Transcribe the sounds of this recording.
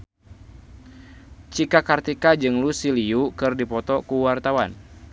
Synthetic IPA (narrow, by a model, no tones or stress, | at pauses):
t͡ʃikakart̪ikad͡ʒɨŋlusiliukɨrdipɔt̪ɔkuwart̪awan